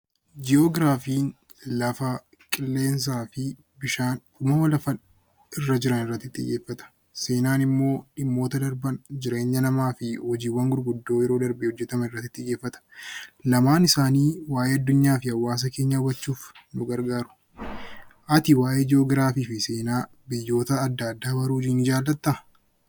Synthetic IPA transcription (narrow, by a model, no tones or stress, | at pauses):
d͡ʒɪoːɡɾaːfiːn | lɐfɐ | kʼɪlːe̞ːns̬aːfɪ | bɪʃaːnkʊmɐwɐlɐfɐn | ɪrːɐd͡ʒɪɾɐnɪrːɐt̪ːɪt̪ːɪ̰je̞ːfːɐt̪ɐ̥ | se̞ːnaːnɪmːo̞ːᶑɪmːo̞ːt̪ɐd̪ɐɾbɐnd͡ʒɪɾe̞ːɲːɐnɐmaːfɪhɔd͡ʒiːwːɐŋɡʊɾɡʊd̪ːo̞ːjɛɾo̞ːd̪ɐɾbehɔd͡ʒːɛt̪ɐmɐnɪrːɐt̪ːɪt̪ːɪjeːfːɐt̪ɐ̥lɐmaːnɪsaːniːwaːʔeːɐd̪ːʊɲːaːfɪɐwːaːs̬ɐke̞ːɲːɐʊbɐt͡ʃːuːfnʊɡɐɾɡaːɾʊ̥ | ʔɐt̪ɪwaːʔeːd͡ʒo̞ːɡɪɾaːfiːfɪse̞ːnaː | bɪjːo̞ːt̪ɐːd̪ːɐd̪ːaːbɐɾuːd͡ʒiːnɪd͡ʒaːlːɐt̪ːɐɐ